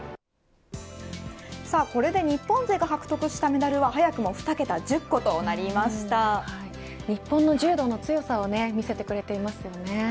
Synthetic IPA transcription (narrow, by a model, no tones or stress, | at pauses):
saːko̞ɾe̞d̪e̞ɲ̟ipːõ̞nze̞ːɡaɦakɯ̟̥t̪okɯ̟ɕi̥t̪ame̞d̪aɾɯ̟βaɦajakɯ̟mo̞ɸɯ̟̥t̪ake̞t̪ad͡ʑɨkːo̞t̪o̞ːnaɾʲimaɕi̥t̪ahai | ɲ̟ipːõ̞nːo̞ʑɨːd̪o̞ːno̞t͡sɨjo̞sao̞ne̞mʲise̞t̪e̞kɯ̟ɾe̞t̪e̞imasɨjo̞ne̞